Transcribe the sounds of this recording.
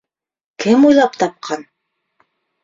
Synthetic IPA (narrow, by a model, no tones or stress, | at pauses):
kɘmujlˠɑpt̪ɑp̚qʰɑn